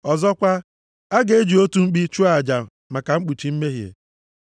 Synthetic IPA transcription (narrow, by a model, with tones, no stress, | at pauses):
ɔ˨zɔ˦kʷa˦ | a˦ɡe˨e˦d͡ʒi˨o˦tu˦ŋ͡m̩˦k͡pi˦t͡ʃu˦a˨d͡ʒa˨ | ma˨ka˨ŋ͡m̩˦k͡pu˨t͡ʃi˨m̩˦me˦ɦjḛ˨